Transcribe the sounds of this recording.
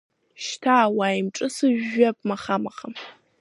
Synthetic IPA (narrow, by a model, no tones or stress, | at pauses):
ʃtʰaːwaːjɪmʈ͡ʂʼɨsɨʒʒɐp̚mɐχamɐχɐm